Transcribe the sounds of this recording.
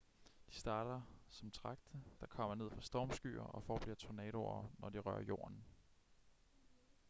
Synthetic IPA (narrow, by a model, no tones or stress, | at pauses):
d̥i̥sd̥ɑ̈ːɾ̥ɐsɒ̽mt͡sʰʁɑ̈ɡ̥̚d̥əd̥ɑ̈kʰɒ̽m̰ɐne̝ð̰ˠfʁɑ̈sd̥ɒːmsɡ̥y̰ːɐ̰ʔɒ̽fɒːb̥liɐt͡sʰonɛːɾ̥o̰ɐnɒd̥iʁɶ̰ɐjo̝̰ːɐn